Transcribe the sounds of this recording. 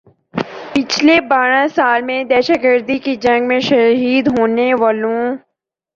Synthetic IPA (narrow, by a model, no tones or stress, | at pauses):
pɪt͡ʃʰlebaːɽ̃ãsaːlmẽd̪ɛːʃəɡəɾd̪ikid͡ʒɐ̃ŋɡmẽʃɐɦiːd̪ɦoːneʋaːlõ